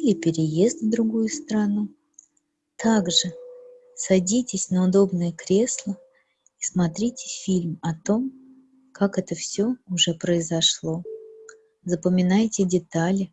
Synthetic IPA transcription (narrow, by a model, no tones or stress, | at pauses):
ɪpʲɪɾʲɪje̞st̪vd̪ɾʊɡujʊst̪ɾɐnu | t̪ʰaɡʐɨ | sɐdʲitʲɪsʲnəʊd̪o̞bnɨjəkɾʲe̞slˠə | ismɐt̪ɾʲitʲɪ̥fʲilʲmɐt̪o̞m | kakɛt̪əfsʲoʊʐɛpɾəɪzɐʂlˠo̞ | zəpəmʲɪnajtʲɪdʲɪt̪alʲɪ